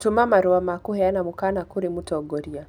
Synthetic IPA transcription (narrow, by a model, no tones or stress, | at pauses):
tumamaɾuamakuhɛanamukanakuɾimutɔɡɔɾia